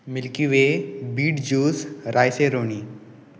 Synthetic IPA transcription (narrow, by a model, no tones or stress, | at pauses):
milkiʋebiːʈd͡ʑuːsɾʔajseɾoɳ̃iː